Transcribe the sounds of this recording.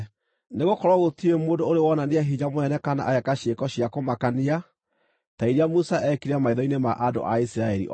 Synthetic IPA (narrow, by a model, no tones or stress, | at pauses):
neɣokɔɾwaɣotiemoːdoːɾewɔnaneaɦiɲamoɛnɛkana̰ʔajɛkaɕekɔɕiakomakania | taiɾeamusaʔɛkiɾeamaiðɔinemaʔado̰ʔaisiɾaɛɾḭʔ